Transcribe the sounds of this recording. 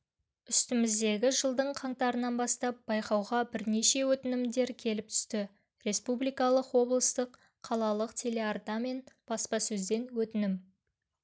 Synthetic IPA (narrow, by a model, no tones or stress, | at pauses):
ʏst̪ɪmɪzd̪e̞ɡʲɪʒəlˠd̪əɴqʰɑɴt̪ɑɾənɑnbɑst̪ɑp̚b̥ɑjqɑwʁɑbɪɾne̞ʃe̞wɵt̪ɪnɪmd̪e̞ɾkʲʰe̞lɪp̚t̪ʰʏ̥st̪ɪ | ɾe̞spublijkɑlˠəqwo̞blˠəst̪əqʰː | ɑlˠɑlˠəqt̪ʲʰe̞le̞art̪ɑme̞nb̥ɑspɑsɵzd̪e̞nwɵt̪ɪnɪm